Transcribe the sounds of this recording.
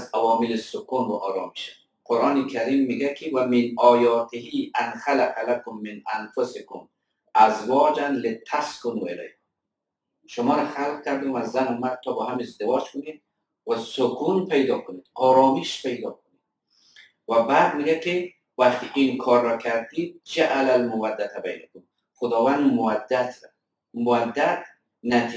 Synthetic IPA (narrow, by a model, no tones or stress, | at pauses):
zawɒmɪlɪsʊkunwaʔɔːɾɑːmiʃa | qoɾʔɑːnɪkʰaɾiːmːiɡakʰɪwamɪnɒːjɑːt̪ɪhianxalaqalakʊmːɪnanfʊsɪkʊm | azwɒːd͡ʒanlɪt̪ʰaskʊnuela̰j | ʃʊmɔːɾaxalq̚kaɾd̪inazːanʊmad̪̚t̪ʰːɔbɔɦamezd̪ɪwɒːd͡ʒkʊned̪ | wasʊkʰunpajd̪ɒːkʊnid̪̥ɒːɾɔːmiʃpajd̪ɒːkʊnid | wabaːd̪̚miɡakɪ | waxt̪ikinkʰɒɾːɔkʰaɾd̪id̪̚d͡ʒaʔalalmʊwad̪ːat̪ʰaba̰jnakʊm | xʊd̪ɒvand̪mʊad̪ːat̪ɾa | mʊad̪ːat̪̚ | nat̪ʰi